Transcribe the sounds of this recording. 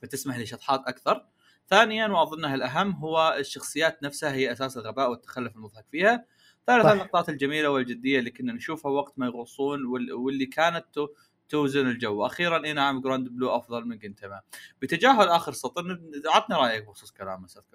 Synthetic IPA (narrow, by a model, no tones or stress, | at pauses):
fat̪ɪsmaħliːʃɑt̪ˤħɑːt̪ʔakθɑɾˤ | θaːnɪjanwʔɑðˤɨnːaɦalʔaɦamːɦʊwːaʃːɑxsˤɨjːaːt̪nafshahɪjːaʔasaːsɪlɣabaːʔwɪt̪ːḁxalːʊfɪlmʊðˤhɑkfiːha | θaːlɪθanlːʔɑq̚t̪ˤɑːt̪ɪld͡ʒamiːlawɪld͡ʒɪd̪ːɪjːaliːkɪnːanʃuːfhawaɡt̪majɣuːsˤːuːnwɪwɪlːikʰaːnat̪ː | ʊːzɪnɪld͡ʒawːaʔaxiːɾanʔɪnaʕamɡɾoːnd̪ɪbluːʔɑfðˤɑlmɪnɡɪnt̪amab̥ɪt̪ad͡ʒaːɦʊlʔaːxəɾsɑt̪ˤinɪʕad̪niɾˤɑːjak̚bɪxsuːsˤkala̰ːmasaðk